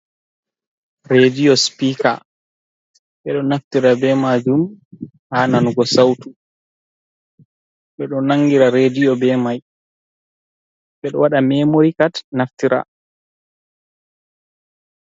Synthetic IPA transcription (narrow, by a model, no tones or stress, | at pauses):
ɾediɔspiːka̰ | ɓɛɗɔnaftiɾabɛmad͡ʒum | haːnanɡɔsawtu | ɓɛɗɔnaŋːɡiɾaɾedijɔbɛmaj | ɓɛɗɔwaɗamɛmoɾikatnaftiɾʔa̰